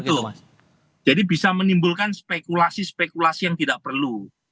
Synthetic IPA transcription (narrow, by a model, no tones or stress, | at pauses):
ʊ | d͡ʒadibisamənimbʊlkanspekulasispekulasijaŋt̪idaʔpərlu